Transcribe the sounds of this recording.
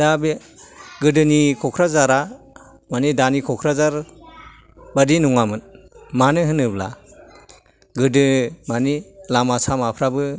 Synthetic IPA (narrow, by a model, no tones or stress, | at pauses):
dabi | ɡɯdɯnikʰɔkʰɾazaɾa | manidanikʰɔkʰɾazaɾ | badinuŋamɯn | manɯɦɯnɯbla̰ | ɡɯdɯmanilamasamapʰɾabɯ